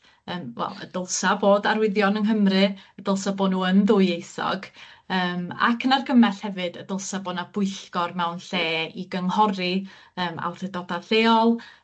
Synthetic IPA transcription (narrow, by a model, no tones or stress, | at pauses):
əːmwɛ̰lˠə̰dəlˠsaboːdaɾwɪðjɔnənɦəmrɨəd̥əlˠsaboːdnuːənðʊjejsɔ̰ɡ̥əːma̰kʰnarɡəmɛɬhɛvɨd̥ədəlˠsaboːdnab̥ʊɨɬɡ̥ɔrmɛwnɬeːiɡəŋhɔɾi | əːma̰wθədɔdaθeːɔlˠ